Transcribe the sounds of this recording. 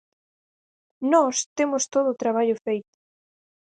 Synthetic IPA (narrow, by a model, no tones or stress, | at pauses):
nɔst̪emʊst̪oðʊːt̪ɾaβ̞aʎʊfejt̪ʊ̥